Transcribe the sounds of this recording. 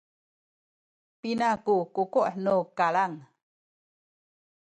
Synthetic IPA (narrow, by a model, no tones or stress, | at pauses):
pinakukukoʔnukalaŋ